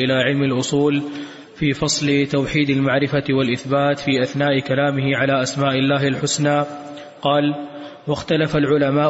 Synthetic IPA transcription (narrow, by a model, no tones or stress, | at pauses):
ʔɪlaːʕɪlmalʔʊsˤuːl | fiːfɑsˤlɪt̪awħiːd̪almaʕɾɪfawalʔɪθbaːt̪fiːʔaθnaːʔɪkalaːmɪhɪʕalaːʔasmaːʔɪlːaːɦɪlħʊsnaː | qɑːl | waxt̪alafalʕʊlamaː